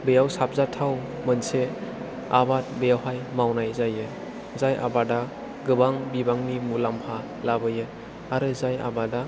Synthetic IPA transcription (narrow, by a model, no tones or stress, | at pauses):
bɯjawsap̚zatʰaw | mɯnse | a̰bat̚bəjawɦajmawnajzajɯ | zajʔa̰bada | ɡɯbaŋbibaŋnimulampʰa | labɯjɯ | aɾɯzaja̰bada